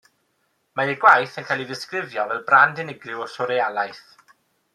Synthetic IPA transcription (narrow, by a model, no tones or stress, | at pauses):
maiɡwajθənkʰajlˠiðɪskrɪvjɔvɛlˠbrandɪnɪɡrɪwɔsɔɾejalˠajθ